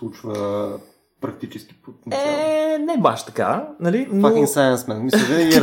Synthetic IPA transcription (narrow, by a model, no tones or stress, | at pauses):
slˠut͡ʃvə | pɾɐk̚t̪it͡ʃɛsk̟i̥pot̪nɛnɛba̰ʃt̪ɐ̥ka̰nɐlinfaoĩŋsajə̃nsmɛnmisɛd̪ɛi